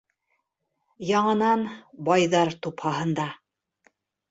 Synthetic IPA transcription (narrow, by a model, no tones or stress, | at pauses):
jɑɴɤ̆nɑnbɑjðɑɾt̪uphɑɦɤ̆nd̪ɑ